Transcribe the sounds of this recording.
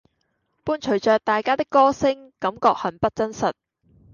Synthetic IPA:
puː˥nt͡ʃʰɵ˨˩ɥt͡ʃœː˨k̚t̪aː˨jkaː˥t̪ɪ˥kːɔː˥sɪ˥ŋkɐ˨˥mkɔː˧k̚hɐ˨˩npɐ˥t̚t͡sɐ˥nsɐ˨t̚

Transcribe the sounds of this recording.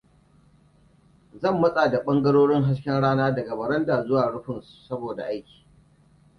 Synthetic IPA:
zɐ˦˨mːɐ˦sʼaː˨da˨ɓɐ˦ŋɡɐ˦ɽoː˦ɽɪ˦ŋɦa˦skʲɛ˦nɽaː˦naː˦dɐ˨ɡa˨bɐ˨ɽɐ˦ndaː˨zʊ˦waː˨ɽʊ˦ɸɪ˨nsu˨sɐ˦boː˨da̰˨ʔa˦jkʲi̥ː˨

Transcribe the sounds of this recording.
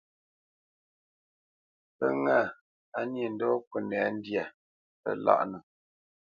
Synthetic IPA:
pə˦ŋa˦˨ | a˨˦nji˨n̩˦dɔ˦kə˨nɛ˨˦n̩˦dja˨ | pə̰˦˨la̰˦ʔnə˨

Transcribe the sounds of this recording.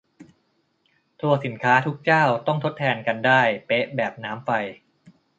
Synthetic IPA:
t̪ʰu˧ɐsi˩˦nkʰaː˦˥t̪ʰu˦˥k̚t͡ɕaː˥˩wt̪ɔ˥˩ŋt̪ʰo˦˥t̪ʰːɛː˧nka˧ndaː˥˩jpe˦˥ʔbɛː˨˩p̚naː˦˥mfa˧j

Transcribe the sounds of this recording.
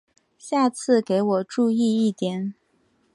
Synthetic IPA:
ɕja˥˧t͡sʰɹ̩˥˩ke˧˥ɪwɔ˨˩ʈ͡ʂu˥˧i˥˧i˥˩t̪jɛ˨˦n

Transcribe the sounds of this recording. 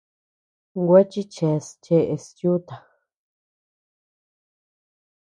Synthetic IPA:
ŋɡʷe˦t͡ʃi˦t͡ʃe˧st͡ʃe˧ʔe˧stju˦t̪a˨

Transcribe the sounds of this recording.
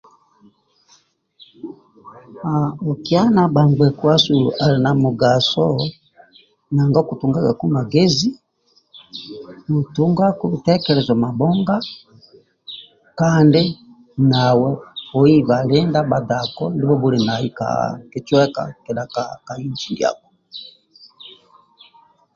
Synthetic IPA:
a˨ɔ˨ki˦a˦na˨ba˨ŋɡ͡bɛ˨ku˦a˦su˨lṵ˨ʔa˨li˨na˨mu˨ɡa˨sɔ˦ | na˨ŋɡa˦ku˨tu˨ŋɡa˦ɡa˨ku˦ma˨ɡɛ˦zi˦ | mu˨tu˦ŋɡa˦ku˦i˨tɛ˦kɛ˨lɛ˨zɔ˨ma˨bɔ˦ŋɡa˦ | ka˦nde˦ | na˨wɛ˦fɔ˨i˦ba˨lɛ˦nda˦ba˨da˨kɔ˦ndi˦bɔ˦bu˦ɾi˨na˨i˦ka̰˨ke˨˦t͡ʃwɛ˦ka̰˦kɛ˨la˨ka˨ka˨i˦nt͡ʃi˦˨di˨a̰˨kɔ̥˨

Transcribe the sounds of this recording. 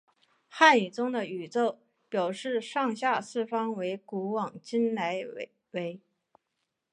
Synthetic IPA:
xa˥˩ny˨˩t͡sʊ˥ŋd̪ə˨y˨˩t͡so˥˩ʊ | pjɑ˨˩ʊʂɻ̩˥˧ʂɑ˥˧ŋɕja˥˧sɹ̩˥˩fɑ˥ŋwe˧˥ɪku˧˥wɑ˨˩ŋt͡ɕi˥nla˧˥ɪ | we˧˥ɪ

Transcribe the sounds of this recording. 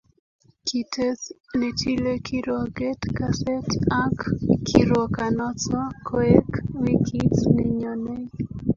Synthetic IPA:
ki˨tʰe˦tne˨ti˦le˦kʰi˦ɾɔ˨ɡe˦tkase˦ta˦kkʰiɾɔ˨ka˨nɔ˦t͡ʃɔ˦kʰɔ˦ɛ˦kwi˦kʰi˦tneɲɔ˨ne˦

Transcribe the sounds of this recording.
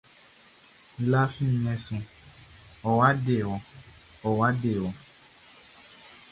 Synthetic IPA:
la˦fĩ˦˨ɲɛ̃˨sũ˨ | ɔ˨wa˦ɖe˨wɔ˨ | ɔ˨wa˦ɖe˨wɔ˨

